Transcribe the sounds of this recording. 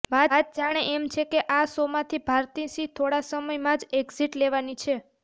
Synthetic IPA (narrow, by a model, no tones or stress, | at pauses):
ʋat̪̚d͡ʒaɽ̃eʔemt͡ʃʰekeʔasomãt̪ʰibʱaɾt̪isit̪ʰoɽasəməjmãd͡ʒeɡziʈleʋanit͡ʃʰe